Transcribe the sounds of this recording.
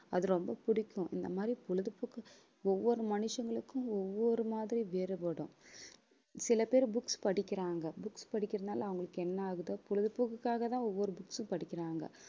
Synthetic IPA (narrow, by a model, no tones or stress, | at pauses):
ɐðɯɾɔmbɐpʊɽɪkʲːʊ̃ʔɪ̰nd̪ɐmaːd̪ɾipʊlɐðɯpːʊkːɯ | ɔʋːɔɾɯmɐnɯʂɐŋɡɐɭɯkːʊ̃ɔʋːɔɾɯmaːðɪɾiʋeːɾɯpɐɽʊ̃ | sɪlɐpeːɾbʊkspɐɽɪkʲːɪɾaːŋɡɐbʊkspɐɽɪkːɪɾɐðnaːlʔɐɐʋɐŋɡɐɭɯkːɯɛnːɐaːɣɯðɐpʊlɐðɯpːɯkːɯkːaːɣɐt̪ãːɔʋːɔɾɯbʊksʊ̃pɐɽɪkʲːɪɾaːŋɡɐ̰